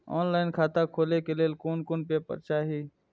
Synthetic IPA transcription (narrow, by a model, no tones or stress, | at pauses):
o̰ːnlaːɪnkʰaːt̪akʰoːlekelelkoːnkoːnpepə̰ɾt͡ʃaːɦiː